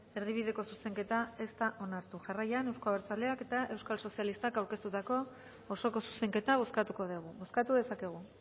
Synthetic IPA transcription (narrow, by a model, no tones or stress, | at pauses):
e̞ɾð̞iβ̞iðe̞ko̞suse̞ŋke̞t̪ae̞st̪aʔo̞naɾt̪uʝarajane̞wsko̞aβeɾt͡sald̪e̞ake̞t̪aʔe̞wskalso̞sialist̪akawɾke̞st̪ut̪ako̞ː | so̞ko̞su̥se̞ŋke̞t̪aβoskat̪uko̞ð̞eɣ̞uβoskat̪uðe̞sake̞ɣ̞u